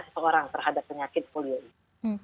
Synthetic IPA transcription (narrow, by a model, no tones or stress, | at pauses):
səsəoɾaŋt̪ərɦadapːəɲakɪt̪̚folioi